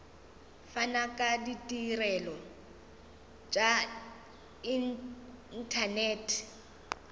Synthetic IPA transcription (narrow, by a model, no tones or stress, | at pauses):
fanakʼaditʼirɛlɔ | t͡ʃʼa | inn̩tʰanɛːtʰ